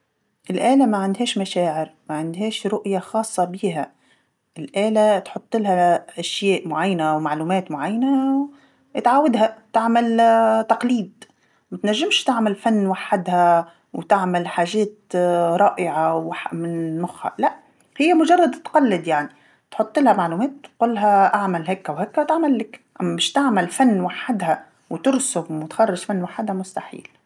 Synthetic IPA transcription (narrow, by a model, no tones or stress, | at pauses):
ʔɪlʔeːlamaʕɪnd̪ɦeːʃmaʃeːʕɪɾmaʕɪnd̪ɦeːʃɾʊʔjaxɑːsˤːɑbiːɦa | ʔɪlʔeːlat̪ħʊt̪ˤːɪlhaʔaʃjeːʔmʊʕajːanawmaʕluːmeːt̪mʊʕajːana | t̪ʕaːwad̪ɦat̪aʕmalt̪ɑqliːd̪ | mat̪naʒːɪmʃt̪ɪʕmalfanːwaħːad̪ha | wt̪ɪʕmɪlħaːʒɛːt̪ɾˤɑːʔɪʕawaħmɪnmʊxha̰laʔ | hɪjːamʊʒɑrˤːɑd̪t̪qɑlːɪd̪jaʕni | t̪ħʊt̪ˤːɪlhamaʕluːmɛːt̪qʊlːɦaʔaʕmalɦɛkːwhækːwt̪aʕmalːɪkʔamːæmɪʃt̪ɪʕmɪlfanːwaħːɪd̪ha | wt̪ʊɾsʊmwɪt̪xɑrˤːɑʃfanːwaħɪd̪hamʊst̪aħḭːl